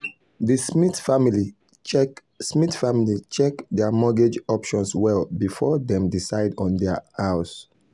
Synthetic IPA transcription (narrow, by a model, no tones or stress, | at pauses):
disitfamili | smitfamilit͡ʃɛkdɛmɔɡed͡ʒɔpʃɔ̃nswɛlbifɔdɛ̃mdisaɪdɔ̃ndɛhaʊs